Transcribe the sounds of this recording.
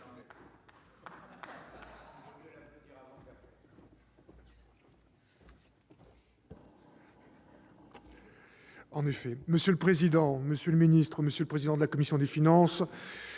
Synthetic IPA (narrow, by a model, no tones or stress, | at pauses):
ɑ̃nefɛməsjələpχezid̪ɑ̃məsjələminist̪χəməsjələpχezid̪ɑ̃d̪əlakɔmisjɔ̃d̪efinɑ̃s